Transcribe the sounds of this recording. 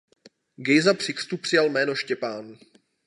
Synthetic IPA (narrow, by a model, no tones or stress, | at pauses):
ɡɛjzapr̝̥ɪkr̥t̪upr̝̥ɪjalmɛːno̞ʃcɛpaːn